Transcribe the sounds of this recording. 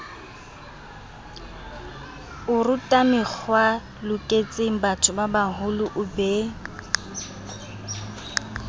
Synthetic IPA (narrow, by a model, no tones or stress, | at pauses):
ʊrʊtʼamɪk͡xwa | lʊkʼet͡sʼeŋ̩batʰʊbabaɦʊlʊʔʊbeː